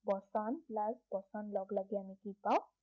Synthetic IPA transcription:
bɔsanlaɡbɔsanlʌɡlaɡjanikit̪ãw

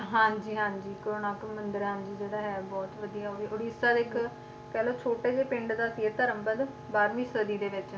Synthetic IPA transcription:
ɦãːd͡ʒiːɦãːɲd͡ʒiːkəɾoːnaːkmənd̪əɾɦãːnd͡ʒiːd͡ʒeːɽaːɦɛːbɔːt̪ʋəd̪ijaːoːiʔʊɽiːsaːd̪eɪk | kɛːloːt͡ʃʰoːʈeːd͡ʒeːpɪ̃ɳɖd̪aːsieːt̪əɾəmbənd̪ | baːɾmĩːsəd̪iːd̪eːʋɪt͡ʃ

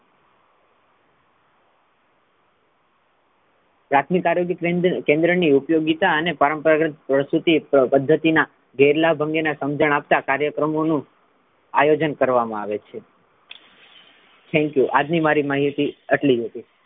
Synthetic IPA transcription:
pɾat̪ʰmikaɾjoɡjəkẽnd̪ɾəniupjoɡit̪aənepəɾəmpəɾaɡɾət̪̚pɾəsɾut̪ipəd̪ʱːət̪ina | ɡəjɾlabʱəŋɡenasəmd͡ʒəɳap̚t̪akaɾjəkɾəmonũ | ajod͡ʒənkəɾʋamãaʋet͡ʃʰe | t̪ʰɛ̃ŋkjuʔad͡ʒnimaɾimaɦit̪iəʈliɦət̪i

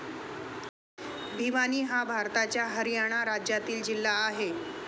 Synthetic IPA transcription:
bʱiʋaniːɦabʱaɾt̪at͡ɕjaɦəɾjaɽ̃aɾad͡ʑjat̪iːld͡ʑilːaːɦe

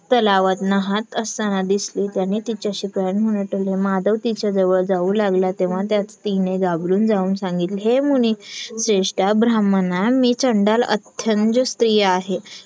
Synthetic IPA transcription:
t̪əlaʋət̪nəɦat̪əst̪anad̪isliːt̪janːit̪it͡ɕjaɕiknɦunəʈəlɦemad̪əʋt̪it͡ɕad͡zəʋəɭd͡zauːlaɡlat̪eʋ̤at̪jat͡st̪ineɡabluːnd͡zauːnsãŋɡit̪lɦemunisɾeʂʈabɾamənamiːt͡ɕəɳɖalə̰t̪ʰːjənd͡ʑəst̪ɾijəaɦe

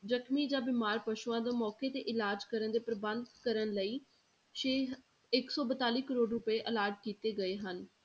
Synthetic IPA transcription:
zəkʰmiːd͡ʒãːbɪːmaːɾpəʃuãːd̪õːmɔːkeːt̪eːʔɪlaːd͡ʒkəɾənd̪eːpɾəbənd̪kəɾənləiː | ʃeː | ɪksɔːbət̪aːliːkəɾoːɖɾʊpeːʔəlaːɾʈ̚kiːt̪eːɡəeːɦən

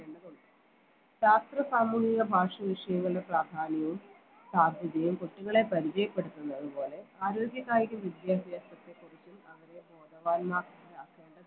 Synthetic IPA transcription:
eɳɖɐðuɳɖɨ | ɕaːst̪rɐsaːmuːɦiɣɐbʱaːʂɐʋiʂɐjɐmuɭːɐpraːd̪ʱaːnijum | saːd̪ʱjɐðɐjumkoʈːiŋːɐɭe̞pɐɾit͡ɕɐjɐpːe̞ɽut̪ːunːɐðɨpo̞ːle̞aːɾo̞ːɡʲjɐɣaːjiɾumʋid̪jaːbʱjaːsɐt̪ːekurit͡ɕːumɐʋɐɾe̞o̞ːd̪ɐʋaːnmaːkɾaːkeːɳɖɐ

